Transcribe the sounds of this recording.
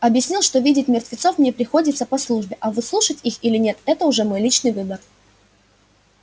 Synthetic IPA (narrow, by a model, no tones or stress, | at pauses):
ɐbjɪsʲnʲilˠʂt̪o̞vʲidʲɪtʲmʲɪrt̪vʲɪt̪so̞fmnʲepɾʲɪxo̞dʲɪt̪səpɐslˠuʐbʲɪʔɐvɨslˠuʂətʲixilʲɪnʲe̞t̪ɛt̪əʊʐɛmo̞jlʲit͡ɕnɨjvɨbər